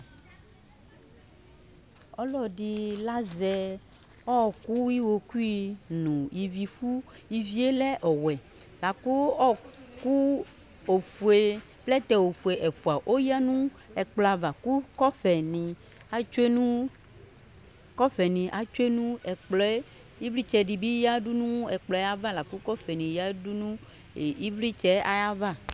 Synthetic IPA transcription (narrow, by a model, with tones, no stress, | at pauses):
ɔ˦lɔ˨ɖi˨la˦zɛ˨ | ɔ˦˨ku˦wi˦wo˨ku˦i˦nũ˨ji˨vi˨fu˦ | ji˨vi˦e˦lɛ˦ʔɔ˨wɛ˨ | la˨ko˦ɔ˦ku˦ | o˨fu˨e˨ | plɛ˦t̪ɛ˨wo˨fu˨e˨ʔɛ˨fu˨a˨ʔo˦ja˦nũ˦ | ɛ˨k͡plɔ˨a˨va˨ku˦kɔ˦fɛ˨nĩ˨ | a˦t͡ʃe˦nũ˦ | kɔ˦fɛ˨nĩ˨ʔa˨t͡ʃu˦e˦nũ˦ɛ˨k͡plɔ˨˦e˦ | i˦vɾi˦t͡ʃɛ˨ɖi˨bi˦ja˦ɖu˦nũ˦ɛ˨k͡plɔ˨˦a˦va˦la˨ku˦kɔ˦fɛ˨nĩ˨ja˦du˦nũ˦ | e˨i˦vɾi˦t͡ʃɛ˦a˦ja˦va˦˨